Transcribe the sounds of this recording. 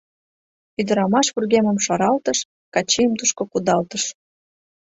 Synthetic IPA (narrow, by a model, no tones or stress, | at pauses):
yd̪əɾɑmɑʃβurɣeməmʃɑɾɑlt̪əʃ | kɑt͡ɕejəmt̪uʃkokud̪ɑlt̪əʃ